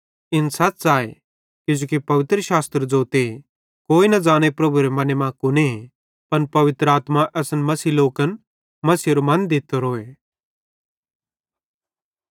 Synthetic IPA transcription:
ɪnsɐt͡sːaːḛ | kɪd͡ʒoːkipɐʋɪt̪ɾəʃaːst̪ɾd͡ʒoːt̪e | koːinɐd͡zãːɽ̃epɾɐbʱuɾemɐnemãkʊne | pɐnpɐʋɪt̪ɾəaːt̪maʔɛsənmɐsiloːkən | mɐsiːɾomɐ̃nd̪ɪt̪ːoɾoːe

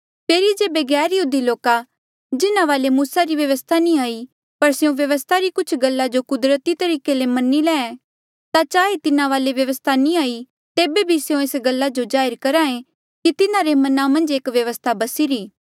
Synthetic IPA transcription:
pʰeːɾid͡ʒeːbeɡɛːɾjəɦuːd̪iloːka | d͡ʒɪnaʋaːlemuːsaɾiʋjɐʋəst̪ʰanĩaːi | pɐɾseõʋjɐʋəst̪ʰaɾikʊt͡ʃʰɡɐlːad͡ʒokʊd̪ɾət̪it̪ɐɾiːkelemɐnːilɛːɛ̃ | t̪at͡ʃaːɦet̪ɪnaʋaːleʋjɐʋəst̪ʰanĩaːi | t̪eːbebʱiseõeːsɡɐlːad͡ʒod͡ʒaːɪɾkɐɾãːẽ | kit̪ɪnaɾemɐnamɐ̃nd͡ʒeːkʋjɐʋəst̪ʰabɐsiɾiː

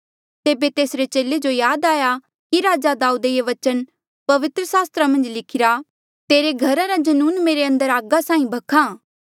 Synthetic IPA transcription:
t̪eːbet̪eːsɾet͡ʃeːled͡ʒojaːd̪aːja | kiɾaːd͡ʒad̪aːuːd̪ejeʋɐt͡ʃən | pɐʋɪt̪ɾəsaːst̪ɾamɐ̃nd͡ʒlɪkʰɪɾa | t̪eːɾeɡʱɐɾaɾad͡ʒɐnuːnmeːɾeɐ̃nd̪əɾaːɡasãːĩbʱɐkʰãː

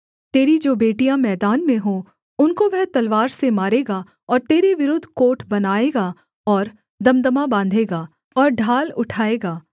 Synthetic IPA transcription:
t̪eːɾid͡ʒoːbeːʈijãmɛːd̪aːnmẽɦoː | ʊnkoʋɛɦt̪ɐlʋaːɾsemaːɾeːɡa | ɔːɾt̪eːɾeʋɪɾʊd̪ʱkoːʈbɐnaːeːɡa | ɔːɾ | d̪ɐmd̪əmabãːnd̪ʱeːɡaː | ɔːɾɖʱaːlʊʈʰaːeːɡaː

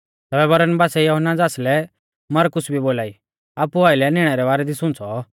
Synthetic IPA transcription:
t̪ɛːbɛbɐɾənbaːsɛjoɦənːad͡zaːslɛ | mɐɾkʊsbʱiboːlaːi | aːpuaːɪlɛnɪɽ̃ɛɾɛbaːɾɛd̪isʊ̃nt͡sʰɔ

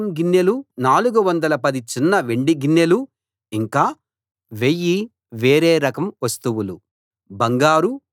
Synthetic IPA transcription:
mɡinːelunaːluɡuʋɐnd̪ɐlɐpɐd̪it͡ʃinːɐʋeɳɖiɡinːelu | iŋkaː | ʋe̞jːi | ʋeːɾeːɾɐkɐmʋɐst̪uʋulu | bɐŋɡaːɾu

